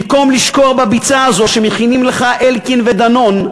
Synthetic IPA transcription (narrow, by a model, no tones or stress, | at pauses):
mko̞mliʃko̞ʁbabit͡saazo̞ʃemeχinimleχaʔelkinved̪ano̞n